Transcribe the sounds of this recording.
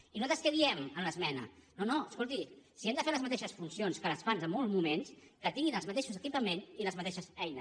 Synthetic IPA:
inuzat̪əskəðiɛmənləzmɛnə̰nonoəskolˠt̪isiɛmd̪əfeləzmɐt̪eʃəsfunsionskələsfanzəmːɔlˠzmumenskət̪iŋɡinəlˠzmət̪eʃuzəkipəmeniləzmət̪eʃəsɛjnəs

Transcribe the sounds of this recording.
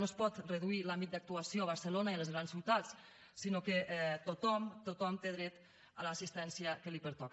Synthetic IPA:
ospɔt̪rəðuilambit̪̚d̪ək̚t̪uasijoəβəɾsəlonailəzɣɾanssiwt̪as | sinokəʔt̪ot̪ɔmt̪ot̪ɔmt̪eðɾɛt̪ | ələːsist̪ɛnsiəkəlipəɾt̪ɔk

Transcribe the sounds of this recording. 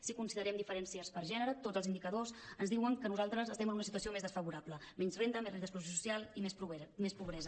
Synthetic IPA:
sikunsiðəɾɛmd̪ifəɾɛnsiəspəɾʒɛnəɾət̪od͡zəlzind̪ikəðosənzðiwəŋkənuzalˠt̪ɾəzəst̪ɛmənunəs̬it̪uəsiomezðəsfəβuɾapləmɛnzrend̪əmezrend̪əs̬plusjos̬usialˠimesmespuβɾɛzə

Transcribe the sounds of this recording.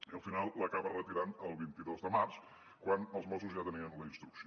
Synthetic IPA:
əlˠfinalˠlːəkaβɐrət̪iɾanəlˠβint̪iðozðəmaɾs | kwanəlˠzmɔsuzʒat̪əniənlˠest̪ɾukʃ

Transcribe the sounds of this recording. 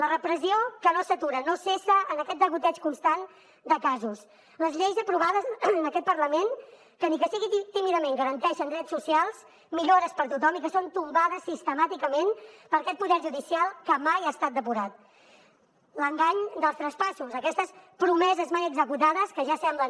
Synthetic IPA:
lərəpɾəziokənosət̪uɾənosesəənəkɛt̪̚d̪əβut̪ɛt͡ʃkunst̪an | d̪əkazus | ləzʎejzəpɾuβ̞aðənəkɛt̪̚pəɾləmen | kənikəsiɣiit̪imiðəmeŋɡəɾənt̪ɛʃənd̪ɾɛt̪susialˠs | miʎoɾəspəɾt̪ut̪ɔmikəsont̪umbað̞əsist̪əmat̪ikəmenpəɾɐkɛt̪̚puðɛɾʒuðisialˠkəmajaːst̪at̪̚d̪əpuɾat̪̚ | ləŋɡaɲd̪əlˠst̪ɾəspasuzəkɛst̪əspɾumɛzəzmajəɡzəkut̪aðəskəʒasɛmblən

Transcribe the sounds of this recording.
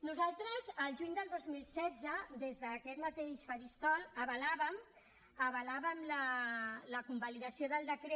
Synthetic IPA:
nuzalˠt̪ɾəzəlʒuɲd̪əlˠd̪ozmilˠsɛd̪zəd̪ezðəːkɛt̪mət̪eʃfəɾist̪ɔləβəlaβəm | əβəlaβəmlələkumbaliðəsioðəlˠd̪əkɾe

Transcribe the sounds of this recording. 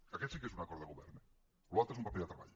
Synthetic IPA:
akɛt̪sikesunakɔɾðəɣuβɛ̰ɾne | lualt̪ɾoesumpapeld̪ət̪ɾɐβa̰ʎ

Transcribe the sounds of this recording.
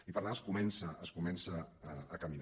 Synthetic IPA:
ipəɾnaəskumɛnsəəskumɛnsəːkəmin

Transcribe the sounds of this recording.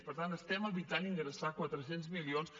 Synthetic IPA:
pəɾt̪ant̪əst̪ɛməlβit̪aniŋɡɾəsakwat̪ɾəsenzmilions

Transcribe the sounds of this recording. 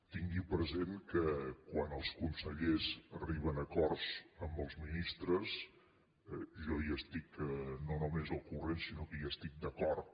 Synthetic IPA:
t̪iŋɡipɾəzenkəkwanəlˠskunsəʎezəriβənəkɔrsəmbəlˠzminist̪ɾəz | ʒɔiəst̪iknonumezəlˠkurensinokəiəst̪ik̚d̪əkɔrt̪

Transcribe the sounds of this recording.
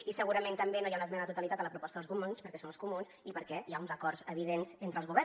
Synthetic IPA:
isəɣuɾəment̪əmbenojaunəzmɛnəðət̪ut̪əlit̪at̪ələpɾupɔst̪əðəlzɣumunspəɾkɛsonəlskumunsipəɾkɛjaunzəkɔrzəβ̞iðenzent̪ɾəlˠzɣuβɛ

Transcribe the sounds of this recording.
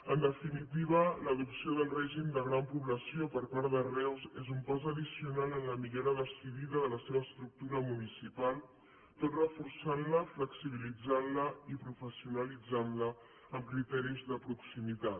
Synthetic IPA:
ənd̪əfinit̪iβ̞ələðupsioðəlˠrɛʒimd̪əɣɾampuβləsiopəɾpaɾðərɛwzezumpazəðisiunalənləmiɣɛɾəðəsiðiðəðələseβəːst̪ɾuk̚t̪uɾəmunisipalˠ | t̪ot̪rəfuɾsanləfləksiβ̞ilid͡zanləipɾufəsiunəlid͡zanlə | əmkɾit̪ɛɾizðəpɾuksimit̪at̪

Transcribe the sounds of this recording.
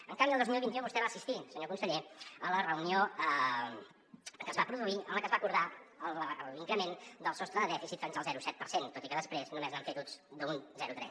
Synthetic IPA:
əŋkambiəlˠd̪ozmilˠβint̪iũmbust̪ɛβaːsist̪isəɲokunsəʎeələrəunioə | kəzβapɾuðuiə̰mləkəzβakuɾðaəlˠiŋkɾəmend̪əlˠsɔst̪ɾəðəðɛfisit̪finzəlˠzɛɾusɛt̪̚pəɾsent̪ot̪ikəðəspɾeznumeznəɱfet̪ud͡zd̪əunzɛɾut̪ɾɛ̰s

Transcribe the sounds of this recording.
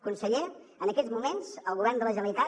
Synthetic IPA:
kunsəʎe | ənəkɛzmumenz̥əlˠɣuβ̞ɛrnd̪ələʒənəlit̪a

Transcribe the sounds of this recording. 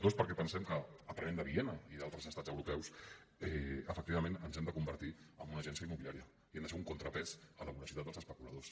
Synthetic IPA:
t̪ospəɾkɛpənsɛmkəːpɾənẽmd̪əβienəiðalˠt̪ɾəzəst̪ad͡zəwɾupɛwsɛəfək̚t̪iβəmẽnənzɛmd̪əkumbəɾt̪iə̰mbunəʒɛnsiəimuilijaɾiə | iɛmnd̪əsfɛuŋkunt̪ɾəpɛzələβuləsit̪at̪d̪əlzəspəkulə̰ðos

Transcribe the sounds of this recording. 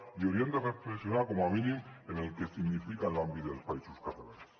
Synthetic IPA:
io̞ɾje̞nt̪erefleksjonaakomoaminĩene̞lke̞siɣnifikaelambit̪ospaisuskat̪alas

